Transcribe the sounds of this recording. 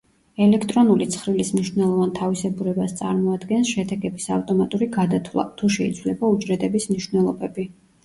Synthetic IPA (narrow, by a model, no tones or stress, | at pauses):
ɛlɛkʰt̪ʼɾɔnulit̪sʰχɾilismniʃnɛlˠɔvant̪ʰavisɛbuɾɛbast̪sʼaɾmɔad̪ɡɛnsʃɛd̪ɛɡɛbisaft̪ʼɔmat̪ʼuɾiɡad̪at̪ʰlˠa̰t̪ʰuʃɛḭt̪sʰvlɛbaut͡ʃʼɾɛd̪ʼɛbismniʃwnɛlˠɔbɛbi